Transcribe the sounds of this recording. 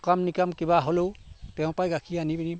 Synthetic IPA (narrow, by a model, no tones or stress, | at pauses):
kamnikamkibaɦolowtɛʊ̃pajɡakʰianibinim